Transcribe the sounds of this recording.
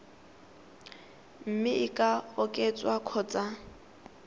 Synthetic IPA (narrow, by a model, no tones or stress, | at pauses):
m̩mɪɪkʼaʊkʼɛt͡sʼwakʰɔːt͡sʼa